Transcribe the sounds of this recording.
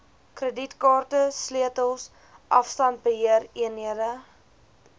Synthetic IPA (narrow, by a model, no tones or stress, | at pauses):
krəditkɑːrtəsliətəlˠs | ʔɐfstɐnt̚bəɦiəriəniəɾə